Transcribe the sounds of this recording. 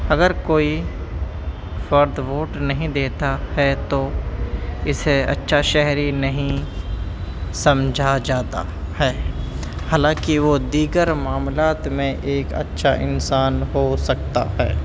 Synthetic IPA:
ɐɡəɾkoːi | fɐɾd̪ʋoːʈnɐɦĩd̪eːt̪ahɛt̪o | ɪseɐ̰tːʃʰaʃɛɦɾinɐɦĩ | sɐ̃md͡ʒʱad͡ʒaːt̪a̰ | hɛː | haːlãːkiʋod̪iːɡəɾmaːmlaːt̪mẽʔeːkɐ̰tːʃʰaʔɪnsaːnɦosɐk̚t̪a̰ɦɛ̰ː

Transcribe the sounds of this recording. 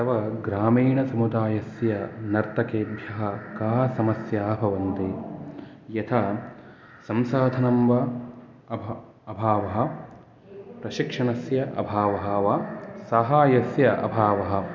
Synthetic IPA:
t̪ɐʋɐɡɾaːmiːɳɐsɐmud̪aːjɐsjɐnɐɾt̪ɐkeːbʱjɐɦɐkaːsɐmɐsjaːbʱɐʋɐnt̪e | jɐt̪ʰɐ | sɐmsaːd̪ʱɐnɐmʋɐ | ɐbʱ | ɐbʱaːʋɐɦɐ̆ | pɾɐʃikʂɐɳɐsjɐʔɐ̰bʱaːʋɐɦɐʋɐsɐɦaːjɐsjɐʔɐ̰bʱaːʋɐɦɐ̆

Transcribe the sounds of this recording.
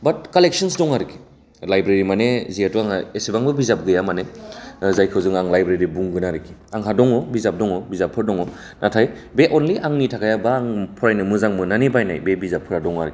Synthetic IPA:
bɐt̚kalek̚sɯns̬dɔŋaɾɯkʰi̥ | lajbɾeɾimaneziatɔaŋaesibaŋbɯbizap̚ɡɯjamanezajkʰɯwzɯŋaŋlajbɾeɾibuŋɡɯnaɾɯkʰi | aŋɦadɔŋɔbizap̚dɔŋɔbizapʰːɯɾdɔŋɔ | natʰaj | beʔonliʔaŋnitʰakʰajabaːŋpʰɔɾajnɯmɯzaŋmɯnanibajna̰jbebizapʰːɯɾadɔŋaɾɯki

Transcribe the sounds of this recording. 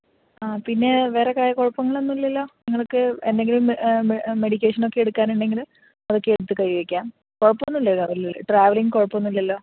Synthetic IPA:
aːpinːe̞ʋe̞ːrekaːjɐkoɻɐpːɐŋːɐɭo̞nːilːɐlːo̞ːniŋːɐɭokːɨend̪e̞ŋɡilum | me̞ɽik̬ʲːe̞ːʂɐno̞kːeeɽukːaːnuɳɖe̞ŋɡil | ɐðo̞kːeeɽut̪ːɨkɐɻiʋɐkʲːaːm | koɻɐpːonːulːɐɭlɐ̰ʈraːʋɐliŋɡkoɻɐpːɐonːilːɐlːo̞ː

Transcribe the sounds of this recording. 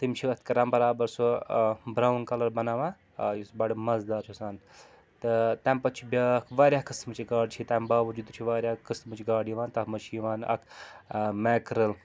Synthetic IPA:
t̪imt͡ʃʰiɐt̪̚ʲkɐɾambɐɾaːbɐɾsobɾawnkɐlɐɾbɐnaːʋãː | jisbɐɽimɐzd̪aːɾt͡ʃʰusaːn | t̪ɨt̪aːmpɐt͡ʃʰibʲɐkʰʋaːɾʲjaːɦkɨst̪mɨt͡ʃʰiɡaːɖt͡ʃʰit̪aːmbaːʋɐd͡ʒud̪ut͡ʃʰiʋaːɾʲjaːkɨst̪mɨt͡ʃʰiɡaːɽiʋaːnt̪ɐɦmɐt͡ʃʰijiʋaːnɐ̰kʰ | meːkɾɨl

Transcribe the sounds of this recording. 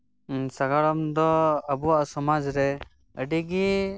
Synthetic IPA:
saɡaɽɔmd̪ɔəbuwaʔsɔmad͡ʒɾɛ | əɖiɡi

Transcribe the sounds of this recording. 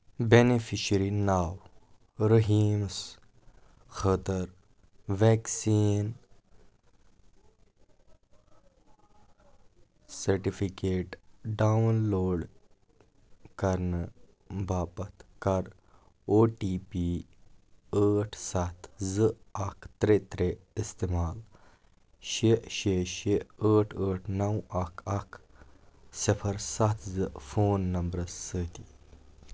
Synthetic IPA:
benefʰiʃəɾinaːw | ɾəɦiːms | xət̪əɾ | ʋɛːksiːn | sɐɾʈifʰikeːʈɖawnloːɖ | kɐɾn | baːpɐt̪kɐɾ | oʈiːpi | əːʈʰsat̪zɨɐkt̪ɾet̪ɾeist̪emaːl | ɕeɕeɕeəːʈʰəːʈʰnɐwɐkʰɐk | sipʰɐɾsat̪ʰzɨfoːnːɐmbɾəsət̪i

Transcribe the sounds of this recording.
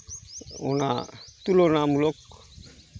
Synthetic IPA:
o̰na̰t̪ulonamulok

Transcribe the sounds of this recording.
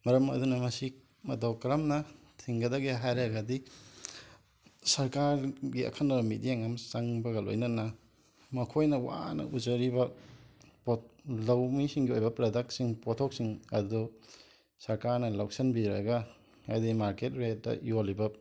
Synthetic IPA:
mɐɾɐmɐ̰dunɐmɐsi | mɐdawkɐɾɐmnɐ | tʰiŋɡɐdɐɡeɦajɾeɡɐdi | sɐɾkaɾɡiɐ̰kʰɐnaɾɐmidijaŋɐmsaŋbɐɡɐlo̰jnɐnɐ | mɐkʰojnɐwa̰nɐ̰ud͡ʒɐɾibɐ | polɐwmisiŋɡiojbɐpɾɐdɐk̚tsiŋpotʰok̚siŋɐ̰ddu | sɐɾkaɾnɐlaw̚sɐnbiɾɐ̰ɡɐ | ajdimaɾket̚ɾet̚dɐ̰jolibɐ

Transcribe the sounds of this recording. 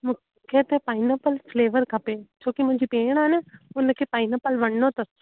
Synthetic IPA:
mũ | kʰet̪epaːɪnəpəlfleːʋəɾkʰɐpet͡ɕʰoːkimʊ̃ɦɪ̃ɲd͡ʑipeːɽ̃aːɦɪnəʊnəkʰeːpaːɪnəpəlʋɐɽnot̪ɐs

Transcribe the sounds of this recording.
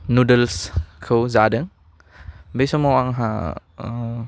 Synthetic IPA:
nudəlskʰɯwzadɯŋ | besɔmɔwaŋɦa̰

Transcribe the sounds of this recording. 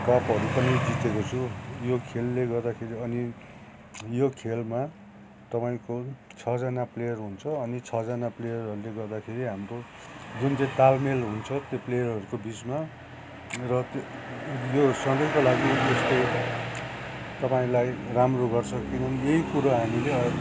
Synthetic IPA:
kʌpɦʌɾupʌnʌjd͡zit̪ekot͡sʰũjokʰelːeɡʌrd̪akʰeɾiʌni | jokʰelma | t̪ʌpaĩkot͡sʰʌd͡zanaplejʌrɦunt͡sʰʌːnit͡sʰʌd͡zanaplejʌrɦʌɾuleɡʌrd̪akʰeɾiɦamro | d͡zunt͡saĩt̪almelɦunt͡sʰʌt̪joplejʌrʌɾukobit͡sma | rʌ | josʌnd̪ʌkolaɡiest̪o | t̪ʌpaĩlajramroɡʌrt͡sʰʌkinʌnieɦikuɾaɦamileʌ

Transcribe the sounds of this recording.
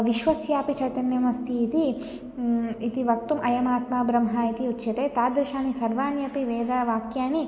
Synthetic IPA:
ʋiʃʋɐsjaːpit͡ʃɐjt̪ɐnjɐmɐst̪ʰiːt̪i | it̪iʋɐk̚t̪umɐjɐmaːt̪maːbɾɐmɦɐit̪iutːʃɐt̪eːt̪aːd̪ɾiʃaːnisɐɾʋaːnjɐpiʋeːd̪aʋaːkjaːni

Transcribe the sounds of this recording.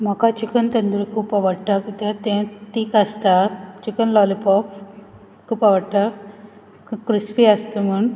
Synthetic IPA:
m̤akat͡ɕikənt̪ənd̪uɾikʰuːpaʋəɽʈ̪akit̪ãt̪ẽt̪iːkast̪at͡ɕikənlɔlipɔp | kʰuːpaʋəɽt̪a | kɾispiast̪em̤əɳ

